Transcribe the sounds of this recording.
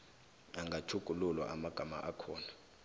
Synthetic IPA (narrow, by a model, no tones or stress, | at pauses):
aŋɡʱatʰuɡ̥ʱululwa̰ʔamaɡ̥ʱama̰ʔakʰɔːna